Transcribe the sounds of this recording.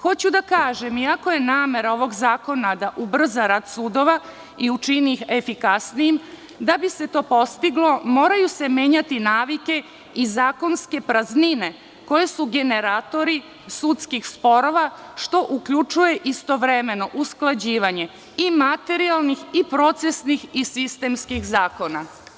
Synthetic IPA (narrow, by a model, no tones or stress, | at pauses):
xo̞t͡ɕud̪akaːʒe̞miako̞je̞naːme̞ɾao̞ʋo̞ɡzaːko̞nad̪aʔubr̩zaɾad̪suːd̪o̞ʋa | iut͡ʃiniːxe̞fikasnijim | d̪abise̞t̪o̞ːpo̞st̪iɡlˠo̞mo̞ːɾajuse̞me̞ːɲat̪inaːʋike̞ | izaːko̞nske̞pɾaznine̞ | ko̞je̞suɡe̞ne̞ɾaːt̪o̞ɾi | sut̪skixspo̞ɾo̞ʋaʃt̪o̞ʔukʎut͡ʃuje̞ʔist̪o̞ʋɾe̞me̞no̞ʔusklˠad͡ʑiːʋaɲe̞ | imat̪e̞ɾialˠnixipɾo̞t̪se̞snixisist̪e̞mskixzaːko̞na